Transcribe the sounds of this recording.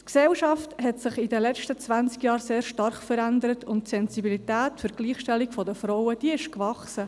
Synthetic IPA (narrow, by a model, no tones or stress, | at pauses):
tksɛlʃɑfthɛtsɪχidəlɛt͡ʃtət͡sʋænt͡skjɑːɾseːɾʃtɑɾχfəɾænd̪əɾətʰʊntsɛnsibilit̪æːtfʏɾɡ̥liːχʃtɛlːiɡfɔdəfɾɔʊəd̥iəɪʃkʋɑχsə